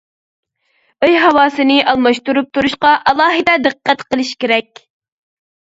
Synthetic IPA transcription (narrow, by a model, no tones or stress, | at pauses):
øjɦɑwɑːsɨnɪʔɑlˠmɑʃt̪uɾup̚t̪ʰuɾuʃqɑʔɑlˠɑːɦɨd̪ɛd̪ɨqʰːɛt̪qəlˠɨʃkʲeɾɛkʲ